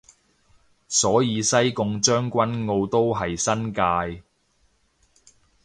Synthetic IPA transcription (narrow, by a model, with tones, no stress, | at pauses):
sɔː˨˥jiː˨˧sɐ˥jkʊ˧ŋt͡ʃœː˥ŋkʷɐ˥nŋo˧wt̪o˥wɦɐ˨jsɐ˥nkaː˧j